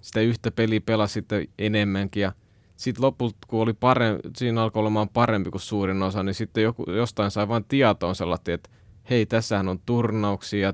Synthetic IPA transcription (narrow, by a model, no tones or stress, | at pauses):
si̥t̪æyht̪æpelipelɑssit̪ːeenemːæŋkijɑ | sit̪lopult̪kuolipɑresiːnɑlkoolemɑːmpɑrempikussuːrinosɑnisit̪ːejokṵjost̪ɑinsɑiʋɑːnt̪iɑt̪oːnselːɑt̪ːiːet̪ | heit̪æsːæhænont̪urnɑuksiːjɑ